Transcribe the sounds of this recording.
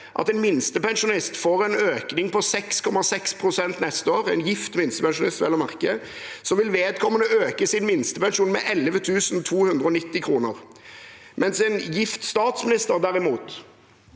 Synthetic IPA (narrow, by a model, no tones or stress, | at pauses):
ʔɑ̰t̪ɛnmɪnst̪əpɛnʃʊnɪst̪foːʁɛnøːknɪŋpɔsɛkskʰɔmɑsɛkspʰʁʊsɛnt̪nɛst̪əoːʁɛ̰ːnjɪft̪mɪnst̪əpɛnʃʊnɪst̪ʋɛlːɔmɑʁkə | sɔmʋɪlʋeːd̪̚kʰɔmənəøːkəsɪnmɪnst̪əpɛnʃuːnmɛ̰ʔɛləʋət̪ʰʉːsn̩t̪ʰuːhʉnd̪ʁəɔnɪt̪ːɪkʰʁuːnəʁ | mɛnsɛnjɪft̪st̪ɑːt̪smɪnɪst̪əʁd̪æɾɪmuːt̪